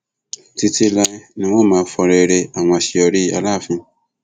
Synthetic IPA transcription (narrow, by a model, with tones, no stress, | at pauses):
ti˧ti˧lɛ˧˦nĩ˧wõ˦˨mãː˨˦fɔ˧ɾe˧ɾe˧a˦˨w̃ɔ̃˧ʃi˧ɔ˧ɾi˦a̰˧la˦˨fĩ˧